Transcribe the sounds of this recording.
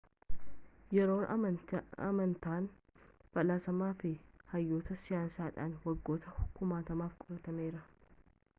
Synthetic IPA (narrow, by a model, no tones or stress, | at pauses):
jɛɾo̞ːn | ɐ̰mɐnt̪aːn | b̥ɐlaːsɐmaːfɪhɐjːo̞ːt̪ɐsɪjaːnsaːᶑa̰ːnwɐɡːo̞ːt̪ɐkʊmaːt̪ɐmaːfkʼʊɾɐt̪ɐmeːɾɐ